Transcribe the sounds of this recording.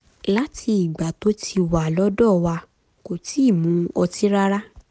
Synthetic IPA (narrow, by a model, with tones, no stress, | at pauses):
la˦tʰi˧i˨ɡ͡ba˨to˨˦tʰi˧wa˨lɔ˦dɔ˦˨wa˧ | ko˨ti˨˦i˦˨mũ˨˦ɔ˧ti˦ɾa˦ɾa˦